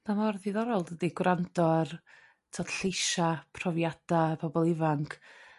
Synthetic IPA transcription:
damɔrðiðɔɾɔlˠdədiɡwrandɔr | tʰɔd̥ɬejʃapʰrɔvjad̥abʰɔbɔlˠɪvaŋkʰ

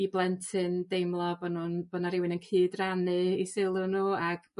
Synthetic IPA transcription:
iblˠɛntʰɨndejmlˠɔbɔnuːnb̥ɔnaɾɪwɪnənkʰɨːdranɨisɪlˠʊnuːaɡ̥

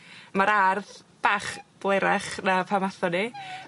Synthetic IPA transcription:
maɾarðb̥aːχb̥lˠejɾɛχnapʰamaθɔni

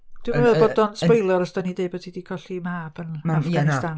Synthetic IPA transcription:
d̥ɪmanvɛːðbbɔdɔnswɔjlˠəɾɔsdɔnidejbədʰidiːkʰɔɬimaːb̥ənafɡ̥asdan

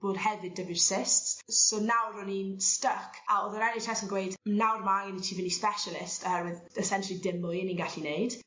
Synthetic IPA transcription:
b̥oːd̥hɛvɪdəvɪrsɪstsːonawɾɔninstəkʰaoðəɾɛnitʰɛsənɡwejdnawrmaɡənitʰivɪnispɛʃəlˠɪstəwɪð | ɛsɛnʃəlˠidɪmʊɪninɡaɬinejd̥

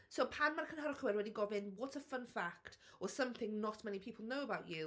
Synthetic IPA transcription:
soʊpʰãnmaɾkʰə̃nɦaɾəkuɛdɹɛdiɡɔvɪ̃nwɒtsəfʌ̃nfakt | əsʌ̃mθɪ̃ŋnətmɛnipʰiˑpl̩ˠnoʊəbaʊt͡ʃʉ

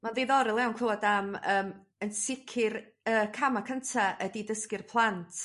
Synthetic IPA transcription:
manðejðɔɾɪlˠɛwnkʰɛlˠɔdaməːm | ənsɪkʰɪr | əːkʰamakʰəntʰaədidəskɪrpʰlˠantʰ

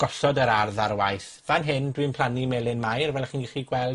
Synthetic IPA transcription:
ɡ̥ɔsɔdəɾarðarwajθ | vanɦɪndwinpʰl̥ˠanimɛlˠɪnmajrvɛlˠχiːnɡiχiɡwɛlˠ

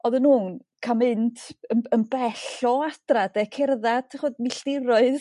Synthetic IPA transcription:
ɔðənuːn | kʰamɨntʰənənbɛɬɔad̥radɛkʰɪrðadtʰaχɔdmiɬtɪɾɔɨð

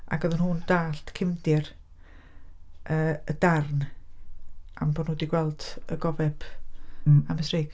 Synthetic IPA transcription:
a̰ɡəðənhuːnd̥aːɬtkʰɪmdɪr | ʔəːəd̥arn | a̰mbonudiɡwɛlˠd̥əɡɔvɛb̥ | aməsreːɡ

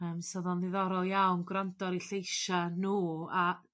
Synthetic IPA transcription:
əːmsɔðɔnðɪðɔɾɔlˠjawnɡrandɔɾiɬejʃanuːa

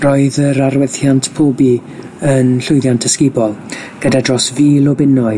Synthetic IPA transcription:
rɔːɨðəɾaɾwɛθjantʰpʰoːbi | ənɬʊɨdjantʰəskɪbɔlˠ | ɡ̥ədadrɔsviːlˠɔbɪnɔɨ

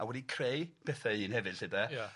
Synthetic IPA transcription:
awɛdikʰrejpʰɛθaiːnhɛvɨd̥ɬɨdɛj

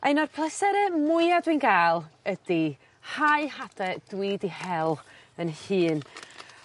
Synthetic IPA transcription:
ʔejnɔrpʰlˠəsɛɾɛmʊɨadwɨnɡaːlˠədi | haɨhadɛd̥wiːdihɛlˠ | ənhɨːn

